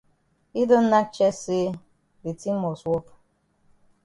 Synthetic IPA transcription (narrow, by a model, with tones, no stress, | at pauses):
i˦do˦n̩˦na˦t͡ʃɛ˦se˦ | di˨ti˦m˦ɔ˨swɔ˦p